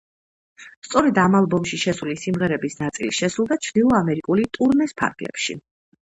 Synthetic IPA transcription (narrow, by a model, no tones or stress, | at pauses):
st̪sʼɔɾɛd̪amalˠbɔmʃiʃɛsulisimʁɛɾɛbisnat̪sʼḭliʃɛsɾulˠd̪at͡ʃʰvd̪ilˠɔamɛɾikʼulit̪ʼuɾnɛspʰa̰ɾɡlɛ̰pʃḭ